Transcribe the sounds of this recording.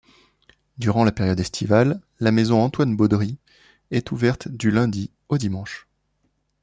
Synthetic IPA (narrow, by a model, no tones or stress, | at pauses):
d̪yʁɑ̃lapeʁjɔd̪ɛst̪ʰivalː | amezɔ̃ɑ̃t̪wanbɔd̪ʁi | ɛt̪uvɛʁt̪d̪ylɛ̃d̪i | od̪imɑ̃ʃ